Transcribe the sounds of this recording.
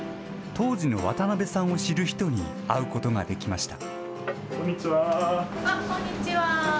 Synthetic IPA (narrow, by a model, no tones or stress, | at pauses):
t̪o̞ːʑino̞βa̰t̪anabe̞sãɰ̃o̞ɕiɾɯ̟çi̥t̪o̞ɲ̟ḭ | aɯ̟ko̞t̪o̞ŋa̰d̪e̞kʲimaɕi̥t̪a̰ | kõɲʲːit͡ɕiβa | kõɲːit͡ɕiβa